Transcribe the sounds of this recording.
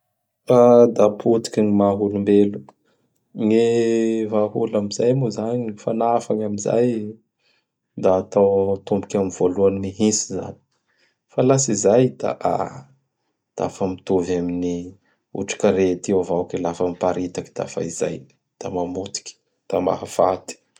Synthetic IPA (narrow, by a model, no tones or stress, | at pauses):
ad̪apʰut̪i̥kʲinimaɦulumbelu̥ | ŋevaɦulamizajmuzanifanafaŋamiza̰j | d̪aːt̪awt̪umbukʲamiv̥oluanimiɦisiza̰ni̥ | falasizajd̪̥a̰ʔa̰ | d̪̥a̰fəmit̪ovamini | ṵʈ͡ʂḁkaɾet̪iawvawkilafəmipaɾit̪aki̥d̪a̰fa̰iza̰j | d̪̥amamut̪i̥kʲi̥ | d̪̥ama̰ɦafat̪i̥